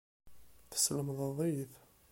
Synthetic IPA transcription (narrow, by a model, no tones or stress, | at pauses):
θə̥sləmðˤəðˤiθ